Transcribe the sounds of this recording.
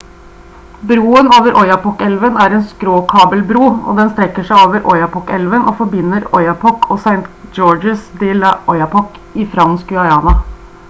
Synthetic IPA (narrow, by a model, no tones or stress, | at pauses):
bɾuːənoːʋəɾʔɔʏɑpɔkɛlʋənæɾɛːnskɾoːkʰɑːbəlbɾuːɔ̰d̪ɛnst̪ɾɛkːəʂæɪoːʋəɾʔɔʏɑpɔkɛlʋənʔoːfɔɾbɪnːəɾɔʏɑpʰɔkɔːsæɪnt̪d͡ʒɔːd͡ʒəsd̪ɪːlʔɔʏɑpɔk | ɪfɾɑnskʉɑjɑːnɑ